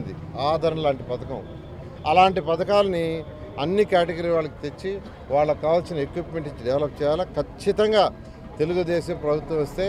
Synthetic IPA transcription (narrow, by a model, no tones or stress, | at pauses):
nd̪iaːd̪ʱɐɾɐnɐlaːɳʈipɐd̪ɐkɐ̰m | ɐ̰laːɳʈipɐd̪ɐkaːlɐni | ɐnːikaːʈeɡɐɾiːʋaːɭːɐki̥t̪e̞t͡ʃːi | ʋaːɭːɐkaːʋɐlt͡ʃinɐekʋipme̞ɳʈit͡ʃiɖɐʋlɐp̚t͡ʃɛːjaːlɐkʰɐt͡ʃːit̪ɐŋɡaː | t̪e̞luɡud̪eːʃɐmpɾɐbʱut̪wɐ̃mɐst̪e̞ː